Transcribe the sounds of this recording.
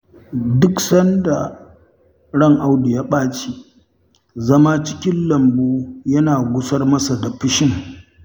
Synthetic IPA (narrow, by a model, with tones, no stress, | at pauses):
dʊ˦ksɐ˦nda˨ | ɽɐ˦ŋʔa˦wdi˨ja˦ɓaː˦t͡ʃi˦ | zɐ˦ma˦t͡ʃɪ̥˦kʲɪ˦nlɐ˨mbuː˦jɐ˦naː˨ɡʷʊ˦sɐ˦rmɐ˦sa˨da˨ɸɪ˦ʃɪ˦ŋ